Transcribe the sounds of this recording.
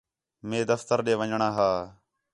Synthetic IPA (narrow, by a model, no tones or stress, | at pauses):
mẽːd̪əft̪əɾɗeːʋəɲɳaːɦaː